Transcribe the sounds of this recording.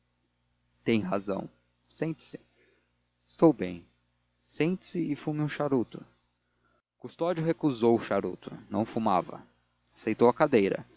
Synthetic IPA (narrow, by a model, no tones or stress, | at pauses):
t̪ẽj̃ɦa̰zɐ̰̃w̃ | sẽt͡ʃɪ̥sɪ̥ | ɪst̪owbẽj̃ | sẽnt͡ʃɪ̥sɪɪfumɪũʃaɾut̪ʊ | kust̪ɔd͡ʒʊɦekuzowʊʃaɾṵt̪ʊnɐ̃w̃fuma̰vɐ̰ | asejt̪owɐkad̪ejɾɐ̰